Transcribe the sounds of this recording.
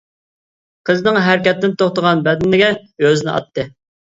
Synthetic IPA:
qʰəznɨŋɦæɾkʲɛt̪ːɪnt̪ʰoχt̪əʁɑnbɛd̪nːɪɡʲɛøzɪnɪ̰ɑ̰t̪ːɨ

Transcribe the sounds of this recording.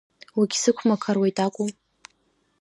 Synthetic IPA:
wiɡʲsɨkʷʰmakʰarwejtʼakʷʼʊm

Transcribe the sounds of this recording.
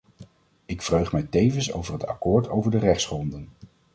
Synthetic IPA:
ɪkfrøɥχmɛjtejvənso̰wvərɦəta̰kʊːɹtʰo̰wvəɹdərɛχtsχrɔndən

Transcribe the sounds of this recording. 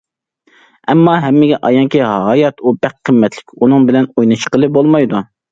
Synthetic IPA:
ɛmːɑɦɛmːɪɡʲɛʔɑjɑŋkʲiɦɑːjɑt̪ʰubæqʰːəmːɛt̪ʰlɪkʲunɨŋbɪlɛnojnɨt͡ʃʰqəlˠɨbolˠmɑjd̪u

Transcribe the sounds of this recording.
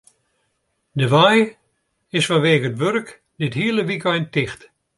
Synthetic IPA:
dəʋaj | ɪsfɔnʋeːɣəətʋørk | dɪthiələʋikɛjntɪxt

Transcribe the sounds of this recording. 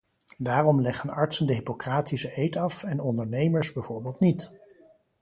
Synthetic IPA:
daːrɔmlɛχənɑɹtsəndəɦipokraːtisəʔejtɑfɛnɔndəɹnejməɹsbɛjv̥oːɹbɪːlˠtnit

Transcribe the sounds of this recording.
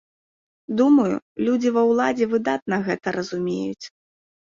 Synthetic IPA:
d̪umɐjṵlʲud͡zʲivɐwlˠad͡zʲɛvɨd̪at̪̚nɐɣɛt̪ɐɾɐzumʲḛjut͡sʲ

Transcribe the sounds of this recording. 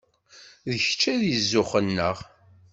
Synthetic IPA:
ðəçt͡ʃːæðjəzːʊχənːəʁ

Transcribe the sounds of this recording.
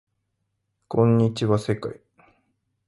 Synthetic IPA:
kʰõ̞ɲːit͡ɕiβase̞ka̰i

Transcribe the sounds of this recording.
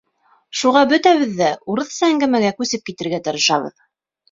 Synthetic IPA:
ʃuʁɑbɵ̆t̪æβɘ̆ðːæuɾɤ̆θsɤæŋɡæmæɡækʉsɘp̚kit̪ɘ̆ɾɡæt̪ɤ̆ɾɤ̆ʃɑβɤ̰ð

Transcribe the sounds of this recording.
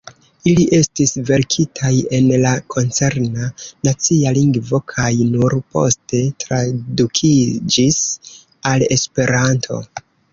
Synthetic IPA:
iliʔe̞stisve̞ɾkʰitʰaje̞nlakʰo̞nt͡se̞ɾnanat͡sialiŋɡvo̞kʰajnuɾpo̞̰ste̞tɾadukʰid͡ʒis | ale̞spe̞ɾantʰo̞̰

